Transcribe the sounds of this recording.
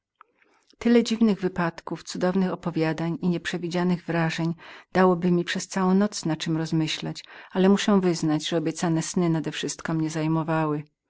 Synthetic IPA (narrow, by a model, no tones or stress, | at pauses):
t̪ɘlɛd͡ʑivnɘɣvɘpat̪kuft̪sud̪ɔvnɘxɔpɔvʲjad̪aɲiɲɛpʂɛvʲid͡ʑanɘɣvɾaʐɛɲd̪̥awɔbɘmʲipʂɛst̪sawɔ̃w̃nɔt̪snat͡ʂɘmɾɔzmɘɕlat͡ɕalɛmuʂɛw̃vɘznad͡ʑʐɛɔbʲjɛt̪sanɛsnɘnad̪ɛfʂɘst̪kɔmɲɛzajmɔvawɘ